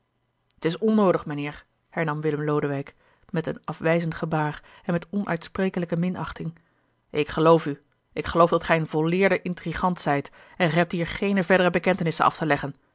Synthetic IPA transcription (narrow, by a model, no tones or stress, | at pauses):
ətɪsɔnowdəχmənɪːɹ | hɛɹnɑmʋɪləmlowdəʋɛjk | mɛtənɑfʋɛjzəntχəbaːr | ɛnmɛtɔnʔœ̰ɥtsprejkələkəmɪnɑχtɪŋ | ɪkχəlowfy | ʔɪkχəlowfdɑtχɛjənvɔɹlɪːɹdəʔɪntriχɑntsɛjt | ɛnχəɦɛp̚tɦiːɹχejnəvɛɹdərəbəkɛntənɪsənɑ̰ftəlɛχən